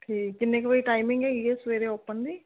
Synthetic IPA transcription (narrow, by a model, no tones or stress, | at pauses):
ʈʰiːkːɪnːẽːkʋoiʈaːɪmɪ̃ŋɡɛːɡieːsʋeːɾeoːpənd̪iː